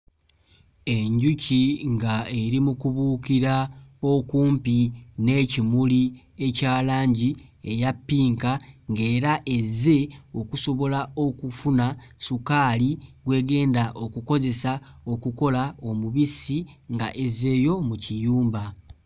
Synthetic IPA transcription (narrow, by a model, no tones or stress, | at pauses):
e̞ɲɟuciŋɡae̞ɾimukuβuːkiɾao̞kuːmpine̞cimuli | e̞caːlaːɲɟie̞japːiːŋkaŋɡe̞ːɾaʔe̞zːe̞o̞kuso̞βo̞lao̞kufunasukaːliɡwe̞ːɡe̞ːndaʔo̞kuko̞ze̞sao̞kuko̞lao̞muβisiŋɡaʔeze̞ːjo̞mucijuːmba